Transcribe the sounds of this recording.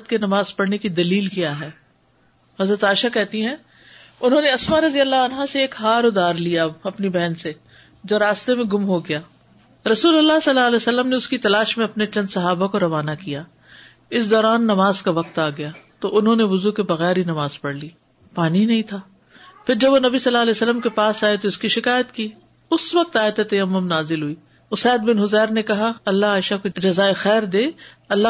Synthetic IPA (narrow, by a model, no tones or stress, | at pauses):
t̪kenɐmaːzpɐɽnekid̪ɐliːlkijaɦɛː | ɦɐzɾət̪aːʃakɛɦt̪iɦɛ̃ː | ʊnɦõːneɐsmaɾɐzijəlːaɐnɦãseːkɦaːɾʊd̪aːɾlijaɐpnibɛɦnse | d͡ʒoːɾaːst̪emẽɡʊmɦoɡɪjaː | ɾɐsuːlɐlːasɐlːaːlɛːsɐlːəmneʊskit̪ɐlaːʃmẽɐpnet͡ʃɐ̃nd̪sɐɦaːbakoɾɐʋaːnakijaː | ɪsd̪ɔːɾaːnːɐmaːzkaʋɐq̚t̪aːɡɐjaːt̪oʔʊnɦõneʋʊzukebɐɣɛːɾɦinɐmaːz̥pɐɽliː | paːninɐɦĩt̪ʰaː | pʰɪɾd͡ʒɐbʋonɐbisɐlːaːlɛːsəlːəmkepaːsaːet̪oɪskiʃɪkaːjət̪kiː | ʊsʋɐk̚t̪aːet̪et̪ɐjɐmːʊmnaːzɪlɦuiː | ʊsɛːd̪̚bɪnɦʊzɛːɾnekɐɦaɐlːaɦaːɪʃakod͡ʒɐzaːexɛːɾd̪eːɐlːa